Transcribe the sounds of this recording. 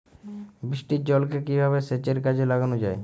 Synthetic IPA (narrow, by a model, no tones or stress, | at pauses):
bɾiʃʈid͡ʑɔlkekibʱaβeset͡ɕeɾkad͡ʑʰelaɡanod͡ʑae